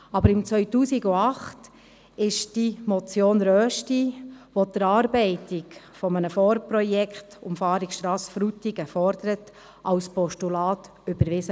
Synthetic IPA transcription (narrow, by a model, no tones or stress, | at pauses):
ɑbəɾɪmt͡sʋœʏtuːsiɡuɑχt | ɪʃd̥imɔt͡sjoːnɾœːʃtiʋodəɾɑːɾbɛɪtɪk | fɔmənəfɔːɾpɾɔjɛkχtʊmfɑːɾikʃtɾɑːsfɾutiɡəfɔɾd̥̪əɾət | ʔɑwspɔʃtulɑːt | ʏbəɾʋɪsə